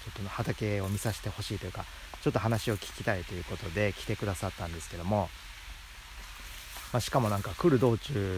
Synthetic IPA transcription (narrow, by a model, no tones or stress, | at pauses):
t͡ɕo̞t̪ːonhat̪ake̞o̞mʲisaɕi̥t̪e̞ho̞ɕiːt̪o̞jɯ̟ka | t͡ɕo̞t̪ːo̞ɦanaɕio̞kʲi̥kʲi̥t̪ait̪o̞jɯ̟ko̞t̪o̞d̪e̞kʲi̥t̪e̞kɯ̟d̪asat̪ːãnd̪e̞sɨ̥ke̞d̪o̞mo̞ | maːɕi̥kamo̞nãŋkakɯ̟ɾɯ̟d̪o̞ːt͡ɕɨː